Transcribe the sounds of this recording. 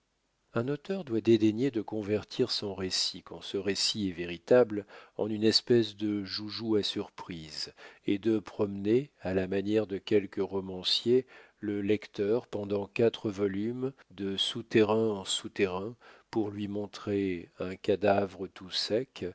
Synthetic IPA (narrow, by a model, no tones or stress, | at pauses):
ɛ̃not̪œʁd̪wad̪ed̪eɲed̪əkɔ̃vɛʁt̪ʰiʁsɔ̃ʁesikɑ̰̃səʁesiɛveʁit̪ablɑ̰̃nynɛspɛs̬d̪əʒuʒuasyʁpχized̪əpχɔmnealamanjɛʁd̪əkʲɛlkəʁɔmɑ̃sje | ləlɛkt̪œʁpɑ̃d̪ɑ̃kat̪χəvɔlymd̪əsut̪eʁɛ̃ɑ̃sut̪eʁɛ̃puʁlɥimɔ̃t̪χeɛ̃kad̪avʁət̪usɛk